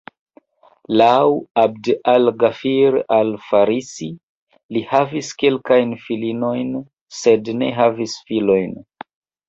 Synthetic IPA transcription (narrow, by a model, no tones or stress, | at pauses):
lawab̚dalɡafiɾalfaɾisi | lihaviskelkajnfilino̞jn | se̞dne̞̰ɦavisfilo̞jn